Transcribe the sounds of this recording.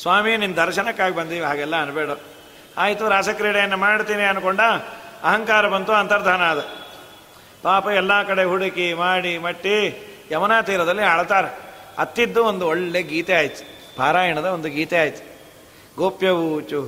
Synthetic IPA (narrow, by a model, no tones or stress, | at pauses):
sʋaːminind̪ɐɾʃɐnɐkːaːɡibɐnd̪iːʋiɦaːɡɛlːɐɐnubeːɽo | aːjit̪uɾaːsɐkɾiːɽɐjɐnːɐmaːɽt̪iːniɐnukoɳɖɐɐɦɐŋkaːɾɐbɐnt̪uɐnt̪ɐɾd̪ʱaːnaːd̪ɐ | paːpɐɛlːaːkɐɽeɦuɽikimaːɽimɐʈːijɐmɐnaːt̪iːɾɐd̪ɐlːiaːɭt̪aːɾeɐ̰t̪ːid̪ːuond̪uɔɭːeɡiːt̪eaːjit̪ːu̥ | bʱaːɾaːjɐɳɐd̪ɐond̪uɡiːt̪ɛaːjt̪ːu̥ | ɡoːpjɐʋuːt͡ʃu